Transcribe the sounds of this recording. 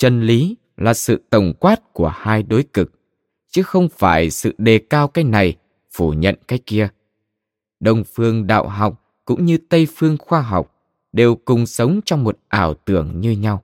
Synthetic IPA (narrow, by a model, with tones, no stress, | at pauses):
t͡ɕə˧nli˨˦ | laː˨˩sɨ̰˧˨t̪ə˨˩wŋ͡mkwaː˦˥t̚ku˧˩əhaː˧jɗo˨˦jkɨ˨˩k̚ | t͡ɕɨ˨˦xə˧wŋ͡mfaː˧˩jsɨ̰˧˨ɗe˨˩kaː˧wkaː˨˦jna˨˩j | fu˧˩ɲə̰˧˨nka˨˦jk̚ki˧ə | ɗə˧wŋ͡mfɨ˧əŋɗa̰ː˧˨wɦa˨˩wk͡p̚ | kʊ̰˧˥ŋ͡mɲɨ˧t̪ə˧jfɨ˧əŋxwaː˧ɦa˨˩wk͡p̚ | ɗe˨˩wkʊ˨˩ŋ͡msə˨˦wŋ͡mt͡ɕɔ˧wŋ͡mmo˨˩t̚ʔaː˧˩wt̪ɨ˧˩əŋɲɨ˧ɲa˧w